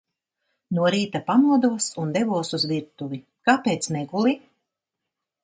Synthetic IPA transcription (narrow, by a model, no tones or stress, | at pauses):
nuɔɾiːt̪apanuɔd̪uɔsund̪ɛvuɔsuzviɾt̪uvi | kaːpeːt̪sneɡulˠi